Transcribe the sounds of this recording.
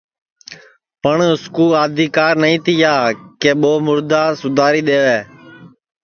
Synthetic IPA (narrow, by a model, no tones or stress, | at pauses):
pəɳʊskuːlaːd̪ʱiːkaːɾnəĩːt̪ɪjaːkeːɓoːmʊɾd̪aːsʊd̪ʱaːɾiːɗ̪eːʋeː